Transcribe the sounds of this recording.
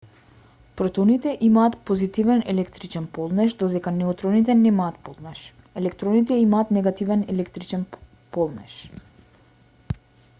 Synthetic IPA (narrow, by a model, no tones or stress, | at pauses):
pɾɔt̪ɔnit̪ɛʔimaːt̪pozit̪ivɛnɛlɛkt̪ɾit͡ʃɛnpolˠnɛʃd̪ɔd̪ɛkanɛɔt̪ɾɔnit̪ɛnɛmaːt̪̚polˠnɛʃ | ɛlɛkt̪ɾɔnit̪ɛimaːt̪nɛɡat̪ivɛnɛlɛkt̪ɾit͡ʃɛn | pɔlˠnɛ̰ʃ